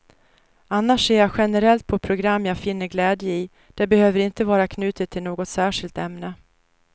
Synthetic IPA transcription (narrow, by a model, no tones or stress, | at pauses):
anːaʂseːɾjaɧɛnəɾɛlt̪̚pʰɔpʰɾʊɡɾamːjafɪnːəɾɡlɛːd̪jəɪ | d̪̥ɛbɛhøːvəɾɪnt̪əvɑːɾakʰnʉ̟ːt̪ɪt̪ʰːɪlnoːɡɔt̪sæːʂɪlt̪ɛmnə